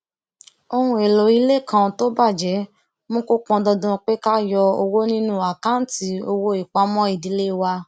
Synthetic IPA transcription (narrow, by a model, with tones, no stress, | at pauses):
o˧hũ˧˦e˨lo˨i˨˦le˦˨kã˧to˦ba˦˨d͡ʒɛ˨˦ | mõ˦ko˦k͡pɔ̃˧dɔ˧dũ˧k͡pe˦ka˦jɔ˧o˧wo˦nĩ˦nũ˦a˨kã˨˦n̩˦ti˧˦o˧wo˧i˨k͡pa˨˦mɔ̃˦i˦˨di˨˦le˦˨wa˧